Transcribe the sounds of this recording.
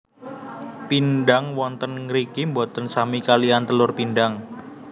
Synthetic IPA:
pinɖaŋwɔnt̪ənŋɾikimbat̪ənsamikaliant̪əlʊrpinɖaŋ

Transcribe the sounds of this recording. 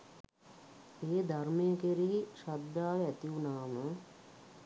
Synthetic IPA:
eːd̪ʱarmejəkeɾiiʃad̪ːaːʋeæt̪iunaːmə

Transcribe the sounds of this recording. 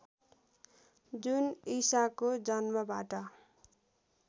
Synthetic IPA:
d͡zunisakod͡zʌnmʌbaʈʌ

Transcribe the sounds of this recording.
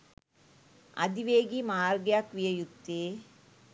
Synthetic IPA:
ɐ̰d̪iʋeːɡimaːɾɡjaːkʋijɐjut̪ːeː

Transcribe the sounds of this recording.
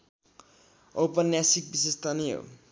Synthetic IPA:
opʌnjasik̚bisest̪ʰanijɦo̰

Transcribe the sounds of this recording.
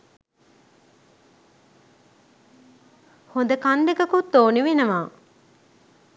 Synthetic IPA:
hond̪əkand̪ekɐkut̪ːoːniʋenɐmaː

